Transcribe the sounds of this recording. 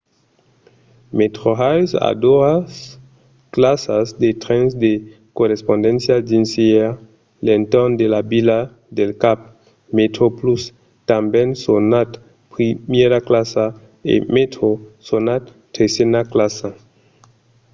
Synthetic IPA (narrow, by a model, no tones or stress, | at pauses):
met̪ɾoɦajsa̰d̪oas | klasasd̪et̪ɾensde | korespond̪ensjad͡ʒinsia | lent̪ond̪elabila | d̪elkap̚ | met̪ɾoplus | t̪ambensonat̪ | pɾimjeɾaklasa | ḛmet̪ɾosonat̪ːesenaklasa